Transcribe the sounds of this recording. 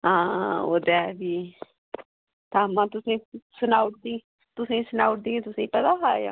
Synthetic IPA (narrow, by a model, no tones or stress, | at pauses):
ɦãːo̰ːd̪ɛːbiː | t̪aːmãːt̪ʊsẽːsənaːʊʈ̚d̪ĩː | t̪ʊsẽːsənaːʊʈ̚d̪ĩːẽt̪ʊsẽːpət̪aːɦaːja̰ː